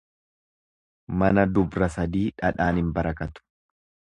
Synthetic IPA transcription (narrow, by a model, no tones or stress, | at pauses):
mɐnɐd̪ʊbɾɐsɐd̪iːᶑɐᶑaːnhɪmbɐɾɐkɐt̪ʊ̥